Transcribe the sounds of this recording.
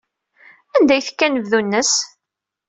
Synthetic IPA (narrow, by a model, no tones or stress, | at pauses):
ænd̪æjθə̥kːænəvðunːəs